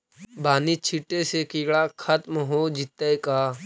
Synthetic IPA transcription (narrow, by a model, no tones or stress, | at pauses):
baːnit͡ʃʰiʈːesekiːɭakʰɐt̪mɦoːd͡ʒɪt̪ːəjkaː